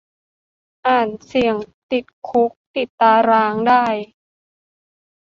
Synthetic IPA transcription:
ʔaː˨˩nsi˨˩əŋt̪i˨˩t̪̚kʰu˦˥k̚t̪i˨˩t̪ːaː˧ɾaː˧ŋdaː˥˩j

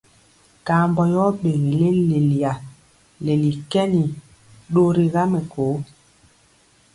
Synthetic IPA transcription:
ka˨˦˨mbɔ˨jɔ˦ɓe˨ɣe˨le˦le˨li˨a˨ | le˨li˨kɛ˦ni˨ | ɗo˦ɾi˦ɣa˦me˨koː˨˦

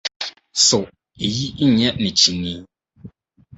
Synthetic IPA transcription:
so˨ʔ | i˨ji˦ʔi˦ɲɛ˦ʔnɛ˨t͡ʃi˨ni˦

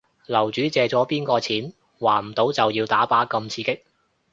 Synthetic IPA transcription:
lɐ˨˩wt͡ʃyː˨˥t͡sɛː˨t͡sɔː˨˥piː˥nkɔː˧t͡sʰiː˨˥n | waː˨˩m̩˨˩t̪o˨˥wt͡sɐ˨wjiː˧wt̪aː˨˥paː˨˥kɐ˧mt͡sʰiː˧kɪ˥k̚

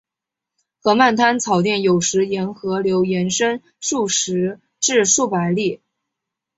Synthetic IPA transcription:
xɤ˧˥ma˥˩nt̪ʰa˥nt͡sʰɑ˨˩ʊt̪jɛ˥˩njo˨˩ʊʂɻ̩˧˥jɛ˧˥nxɤ˧˥ljo˧˥ʊjɛ˧˥nʂə˥n | ʂu˥˩ʂɻ̩˧˥ | ʈ͡ʂɻ̩˥˧ʂu˥˩pa˧˥ɪli˥˩

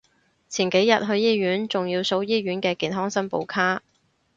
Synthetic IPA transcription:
t͡sʰiː˨˩nke˨˥jjɐ˨t̚ɦɵ˧ɥjiː˥jyː˨˥nt͡sʊ˨ŋjiː˧wso˨˥wjiː˥ɥyː˨˥nkɛː˧kiː˨nɦɔː˥ŋsɐ˥npo̰˨˧wkʰaː˥

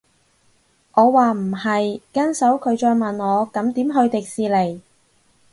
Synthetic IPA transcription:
ŋɔː˨˧waː˨m̩˨˩hɐ˨jkɐ˥nsɐ˨˥wkʰɵ˨˧ɥt͡ʃɔː˧jmɐ˨nŋɔː˨˧kɐ˨˥mt̪iː˨˥mɦɵ˧ɥt̪ɪ˨k̚siː˨˧le˨˩j

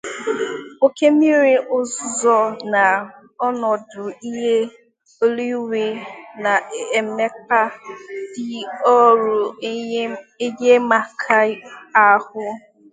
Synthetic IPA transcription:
o˦ke˦mi˦ɾi˦ʔʊ˦zʊ˦zɔ˦na˨ | ɔ˦nɔ˨dʊ˨i˦ɦe˦ | o˦li˦we˨na˨e˨me˦pa˦dɪ˦ɔ˦ɾʊ˨ | e˦ɡe˦ma˨kʰa˦a˨hʊ˦

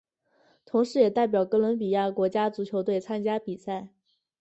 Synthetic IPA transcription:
t̪ʰʊ˧˥ŋʂɻ̩˧˥jɛ˨˩t̪a˥˩ɪp̬jɑ˨˩ʊkɤ˥lwə˧˥npi˨˩ja˥˩kwɔ˧˥t͡ɕja˥t͡su˧˥t͡ɕʰjo˧˥ʊt̪we˥˩ɪt͡sʰa˥nt͡ɕja˥pi˨˩sa˥˩ɪ

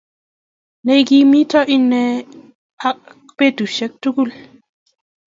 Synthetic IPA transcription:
ne˦jɡi˦mi˦tɔ˦ʔi˦nːɛ˦ | a˦k̚ | pe˦du˨ʃɛ˦k̚tu˦ɡu˦l

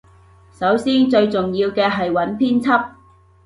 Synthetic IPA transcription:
sɐ˨˥wsiː˥nt͡ʃɵ˧ɥt͡sʊ˨ŋjiː˧wkɛː˧ɦɐ˨jwɐ˨˥npʰiː˥nt͡sʰɐ˥p̚

